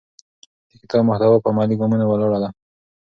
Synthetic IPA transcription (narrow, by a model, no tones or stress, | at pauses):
d̪əkɪt̪ɑbmʊht̪awapəmɑliɡɑmunawalɑɽala